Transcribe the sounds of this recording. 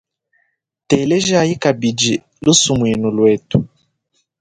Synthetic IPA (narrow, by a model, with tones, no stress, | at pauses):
tɛ˨le˦ʒa˦˨ji˦ka˨bi˨d͡ʒi˨ | lu˦su˨mwi˨nu˨lwɛ˨tu˨